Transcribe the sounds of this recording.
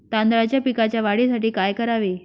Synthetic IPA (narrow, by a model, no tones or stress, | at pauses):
t̪and̪ɾat͡ɕjapikat͡ɕjaʋaɽisaʈiːkajkəɾaʋe